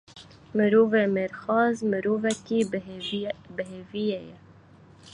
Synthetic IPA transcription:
mɨɾuːveːmeɾxɑːzmɨɾuːvɛkiː | bɨɦeːvijɛjɛ

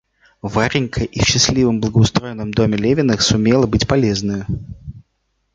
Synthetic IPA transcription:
vaɾʲɪŋʲkʰəʔifɕːɪslʲivəmblˠəɡəʊst̪ɾo̞jɪnːəmd̪o̞mʲɪlʲevʲɪnəxsʊmʲelˠəbɨtʲpɐlʲe̞znɨjʊ

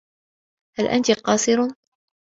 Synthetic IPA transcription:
halʔa̰nt̪iqɑːsˤɨɾ

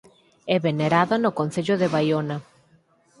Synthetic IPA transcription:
ɛβeneɾaðanʊkon̟θeʎʊðɪβajonɐ

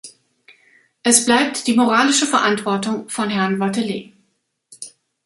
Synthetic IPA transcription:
ʔɛsb̥laɪp̚td̥iːmoʁaːlɪʃəfɛɐʔantv̥ɔɐtʊŋfɔnhɛɐnvatəleː

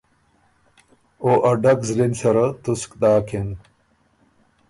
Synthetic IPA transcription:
oʔɐɖɐkzlinsɐɾɐt̪uskd̪aːkʰen

